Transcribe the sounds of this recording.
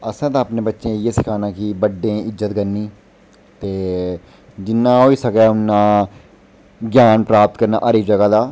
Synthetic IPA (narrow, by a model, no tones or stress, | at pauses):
əsãːt̪aəpneːbətːʃẽːjeːsɪkʰaːnaːkibəɖːẽːɪzːət̪ɡəɾniː | t̪eː | d͡ʒɪnːãːɦoːiːsəkaːʊnːãː | ɡjaːnpɾaːp̚t̪̚kəɾna̰ːʔəɾiːd͡ʒəɡaːd̪aː